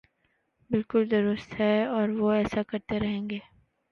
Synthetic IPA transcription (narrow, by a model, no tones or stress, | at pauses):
bɪlkʊld̪ʊɾʊst̪ɦɛɔːɾʋoɛːsakɐɾt̪eɾɐɦẽːŋɡeː